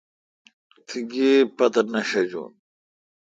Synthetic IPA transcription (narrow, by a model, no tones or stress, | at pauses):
t̪ʰiɡeːpɐt̪ɐnɐɕɐd͡ʑo̰ːn